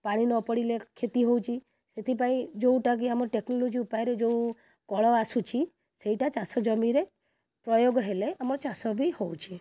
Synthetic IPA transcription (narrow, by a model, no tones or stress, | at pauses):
paɽ̃inɔpɔɽilekʰet̪iɦowt͡ʃʰi | set̪ʰip̬aĩd͡ʒoũʈak̬iamɔɾɔʈeknɔlod͡ʒiupajɾed͡ʒoũ | kɔɭɔasut͡ʃʰi | seiʈat͡ʃasɔd͡ʒɔmiɾe | pɾɔjoɡɦeleʔamɔɾɔt͡ʃasɔbʱihowt͡ʃʰi